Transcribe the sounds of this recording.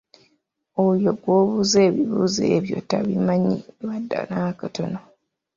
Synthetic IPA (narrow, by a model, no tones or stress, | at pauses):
ojoɡwoːβuze̞ːβiβuzeːβjo̰tːaβimaɲḭβadːa̰nakato̰no